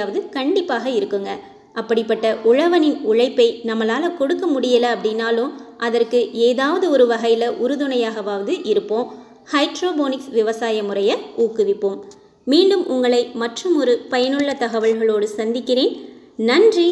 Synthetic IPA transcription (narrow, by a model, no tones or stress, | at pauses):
ʋɐðɯkɐɳɖɪpːaːɣɐɪɾɯkːɯŋɡɐ | ʔɐpːɐɽɪpːɐʈːɐʔʊɻɐʋɐnɪnʊɻɐɪpːɐɪnɐmːɐlaːlɐkɔɽɯkːɐmʊɽɪjɐlɐːpːɐɽɪnaːloʔɐðɐrkɯʔeːðaːʋɐðɯɔɾɯʋɐɣɐjɪlɐʔʊɾɯðɯnɐjaːɣɐʋaːʋɐðɯʔɪɾɯpːõː | hɐɪʈɾoːboːnɪksʋɪʋɐsaːjɐmʊrɐjɐuːkːɯʋɪpːom | miːɳɖɯmʔʊŋɡɐɭɐɪmɐʈrɯmɔɾɯpɐjɐnɯɭːɐt̪ɐɣɐʋɐlɣɐɭoːɽɯsɐnd̪ɪkːɪreːn | nɐndri